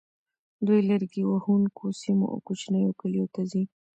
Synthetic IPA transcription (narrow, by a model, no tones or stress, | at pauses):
d̪ujləɾɡiwahuŋkʰosimo̰ʔa̰kot͡ʃnəjokalijot̪azi